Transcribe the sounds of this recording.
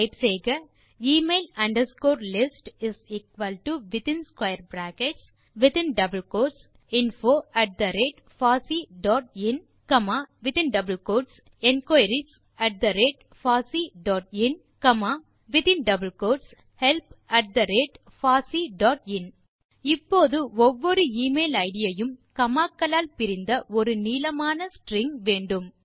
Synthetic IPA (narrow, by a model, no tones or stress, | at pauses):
pseːɡɐ | iːmeːlɐ̃ɳɖəɾskoːɾlɪsʈiziːkʋɐlʈuʋɪt̪ĩnskwajəɾbɾæːkeʈs | ʋit̪ĩnɖɐbəlkoːʈs | ĩnfoːæʈ̚d̪ɐɾeːʈ | faːsiːɖɔːʈin | kɐmaːʋɪt̪ĩnɖɐbəlkoːʈs | ẽnkajɾis | æʈ̚d̪ɐɾeːʈ | faːsiɖɔːʈ̚ɪn | kɐmaː | ʋɪt̪ɪnɖɐbɐlkoːʈs | hɛlpɐʈ̚d̪ɐɾeːʈ | faːsiɖɔːʈɪn | ɪpːoːðɯɔʋːɔɾɯiːmeːlɐɪɽɪjɐjɯmkɐmaːkːɐlaːlpɪɾɪnd̪ɐʔɔɾɯniːlɐmaːnɐsʈɾɪŋʋeːɳɖɯm